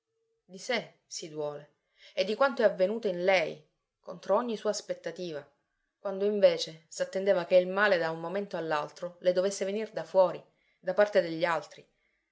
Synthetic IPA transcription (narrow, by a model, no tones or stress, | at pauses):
d̪ise | sid̪wɔːle | ed̪ːikwant̪oɛavːenuːt̪oinlɛj | kont̪ɾooɲːisuːaspet̪ːat̪iːva | kwand̪oiɱveːt͡ʃesat̪ːend̪eːvakeilmaːled̪aummoment̪oalːalt̪ɾoled̪ovesːevenird̪afwɔːɾi | d̪apart̪ed̪eʎːialt̪ɾi